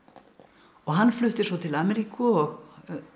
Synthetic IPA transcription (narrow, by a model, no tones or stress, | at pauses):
ɔɣɦanːflʏht̪ɪsvɔwt̪ʰɪlamɛɾiːkʏɔɣ